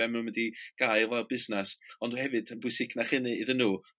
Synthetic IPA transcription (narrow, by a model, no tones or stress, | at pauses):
ɛmnunmədiɡ̥aːjvɛlbɪznɛsɔnduhɛvɨd̥əbʊɨsɪkʰnaχɪnɨɪðənːuː